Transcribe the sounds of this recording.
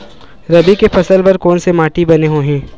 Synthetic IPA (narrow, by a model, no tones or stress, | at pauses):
ɾɐbikepʰɐsəlpɐɾkɔːnsemaːʈibɐneɦoːɦɛ̃ː